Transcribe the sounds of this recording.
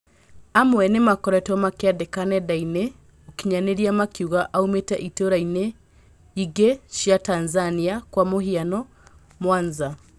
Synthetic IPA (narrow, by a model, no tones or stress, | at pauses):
amwɛnemakɔɾɛtɔmakeadekanɛdaine | okiɲaneɾiamakiuɣaʔaumetɛ̰ʔitoɾaine | iɡeʃjatanzaniakwamohianɔ | mwaːnza